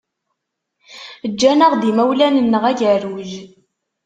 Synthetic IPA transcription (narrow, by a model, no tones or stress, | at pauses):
əd͡ʒːænəʁd̪imæwlænənːəʁæʝəɾwz